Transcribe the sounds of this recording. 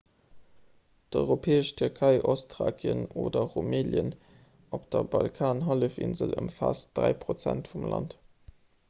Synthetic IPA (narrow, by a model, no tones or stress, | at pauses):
d̥ɔʏʁopʰeːəʃtʰyʁkʰəɪʔostʁa̰ːɡjənoːdɐʁomeːljən | opd̥ɐbɑlkʰaːnɦɑləfinzələmfaːsd̥ʁæɪpʁot͡sæntfumlɑnt